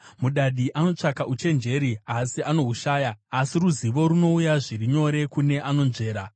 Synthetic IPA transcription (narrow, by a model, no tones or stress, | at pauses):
muɗaɗiʔano̞t͡ʂakaʔut͡ʃe̞nd͡ʒe̞ɾiasiʔano̞ɦuʃaːjaːsiruziʋo̞ɾuno̞ujaʐiriɲo̞ɾe̞kune̞ʔano̞nʐe̞ːɾa